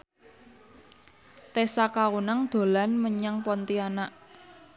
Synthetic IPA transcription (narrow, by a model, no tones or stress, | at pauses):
t̪esakawunaŋd̪̥o̤lanməɲaŋpɔnt̪ianaʔ